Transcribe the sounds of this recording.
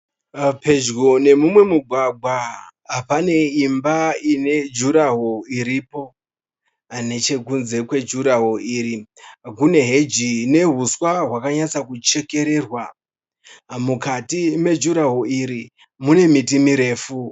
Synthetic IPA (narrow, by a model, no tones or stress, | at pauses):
pe̞d͡ʒɡone̞mumwe̞muɡʱwaɡʱwaɦapane̞imbaine̞d͡ʒuɾaɦoiɾipo̞ | ne̞t͡ʃe̞kunze̞kwe̞d͡ʒuɾaɦoiɾikune̞ɦe̞d͡ʒine̞ɦuswaɦwakaɲat͡sakut͡ʃe̞ke̞ɾe̞rwa | mukatime̞d͡ʒuɾaɦoiɾi | mune̞mitimiɾe̞ːfu